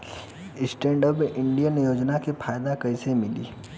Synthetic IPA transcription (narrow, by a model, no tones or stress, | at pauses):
ɪsʈẽːɳɖəbʔɪ̃ɳɖijənjoːd͡ʒnakepʰaːjd̪akɐɪsemɪlḭː